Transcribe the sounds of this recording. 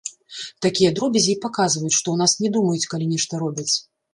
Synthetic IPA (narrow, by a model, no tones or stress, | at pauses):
t̪akʲijɐd̪ɾɔbʲɛzʲipakazvɐjut͡sʲʂt̪ɔwnasnʲɛd̪umɐjut͡sʲkalʲinʲɛʂt̪ɐɾɔbʲit͡sʲ